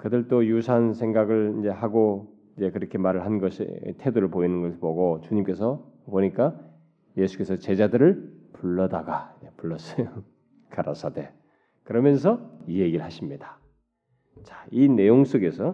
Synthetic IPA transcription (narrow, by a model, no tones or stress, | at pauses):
kɯdɯɭt͈ojusʰansʰe̞ŋɡaɡɯɭind͡ʑe̞ɦaɡo | ind͡ʑe̞kɯɾʌkʰe̞maɾɯɭhannɡʌɕʰḭtʰe̞doɾɯɭpoinɯnɡʌsʰpoɡot͡ɕuɲimk͈e̞sʰʌpoɲik͈a | je̞sʰu̥k͈e̞sʰʌt͡ɕe̞d͡ʑadɯɾɯɭpuɭːʌdaɡaepuɭːʌs͈ʌjo | kaɾa̰s͈ʰade̞ | kɯɾʌmjʌns̬ʰʌie̞ɡiɯɭhaɕʰimɲida | t͡ɕaine̞joŋs͈ʰoɡe̞sʰʌ